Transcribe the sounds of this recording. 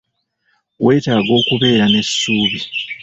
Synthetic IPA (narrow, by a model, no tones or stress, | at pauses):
wʔe̞ːtaːɡo̞ːkuβe̞ːɾane̞sːuːβi